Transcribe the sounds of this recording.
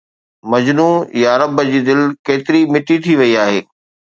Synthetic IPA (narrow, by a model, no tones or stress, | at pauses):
mɐd͡ʑnuːjaɐɾɐbəd͡ʑiːd̪ɪlkeːt̪ɪɾimɪʈit̪ʰiʋɐiaːɦeː